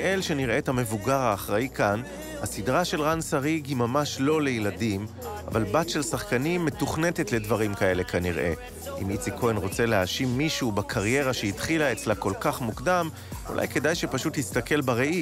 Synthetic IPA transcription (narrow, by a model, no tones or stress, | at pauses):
elʃe̞niʁe̞ːthame̞vuɡaʁaːχʁaikʰan | hasidʁaʃe̞lʁansaʁiɡimamaʃlo̞le̞jladim | a̰valbatʃe̞lsaχkanimːe̞tuχne̞te̞tle̞dvaʁimkae̞le̞kaniʁʔe̞̰ | ʔḭmit͡sikʰo̞enʁo̞t͡se̞leaʃimːiʃubakʰaʁje̞ʁaʃeitχilaet͡slako̞lkaχmukdam | ṵlʔa̰jke̞dajʃe̞paʃuthist̪ake̞lbaʁeʔi